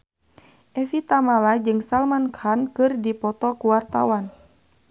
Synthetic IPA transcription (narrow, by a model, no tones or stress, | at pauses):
ʔɛfit̪amalad͡ʒɨŋsalmankʰankɨrdipɔt̪ɔkuwart̪a̰wan